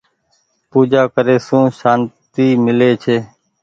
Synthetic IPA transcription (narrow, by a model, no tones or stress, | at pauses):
puːd͡ʒaːkəɾeːsũːʃaːnt̪iːmɪleːt͡ʃʰeː